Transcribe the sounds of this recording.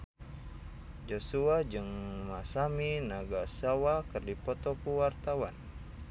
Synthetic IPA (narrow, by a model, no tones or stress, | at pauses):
d͡ʒosuad͡ʒɨŋmasaminaɡasawakɨrdipɔt̪ɔkuwart̪awan